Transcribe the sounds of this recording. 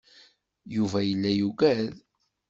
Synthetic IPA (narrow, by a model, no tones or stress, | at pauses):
juvæjəlːæjuɡæð